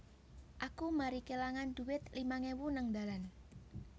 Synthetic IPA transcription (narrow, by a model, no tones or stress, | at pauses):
ʔakumaɾikelaŋand̪̥ṳwɪt̪limaŋewunaŋd̪a̤lan